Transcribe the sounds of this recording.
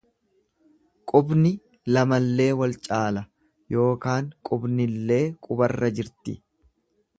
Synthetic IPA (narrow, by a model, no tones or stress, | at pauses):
kʼʊbnɪ | lɐmɐlːe̞ːwɐlt͡ʃʼaːlɐ | jo̞ːkaːŋkʼʊbnɪlːe̞ːkʼʊbɐrːɐd͡ʒɪɾt̪ɪ̰